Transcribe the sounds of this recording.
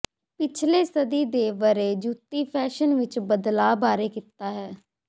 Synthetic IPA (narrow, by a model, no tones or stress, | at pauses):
pɪt͡ʃʰleːsəd̪iːd̪eːʋəɾeːd͡ʒuːt̪ːiːpʰɛːʃənʋɪt͡ʃbəd̪laːbaːɾeːkɪt̪ːaːɦɛː